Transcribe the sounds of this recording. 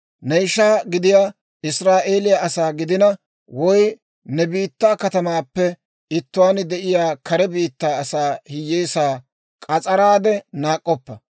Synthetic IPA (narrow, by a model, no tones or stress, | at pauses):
nɛjʃaːɡɪd̪ɪjaː | ɪsɾaːʔe̞ːlɪjaʔɐsaːɡɪd̪ɪnɐ | wɔj | nɛbiːt̪ːaːkɐt̪ɐmaːpːɛ | ɪt̪ːʊwaːnd̪ɛʔɪjaːkʰɐɾɛbiːt̪ːaːɐsaːhɪjːeːsaː | kʼɐt͡sʼɐɾaːd̪ɛnaːkʼːɔpːɐ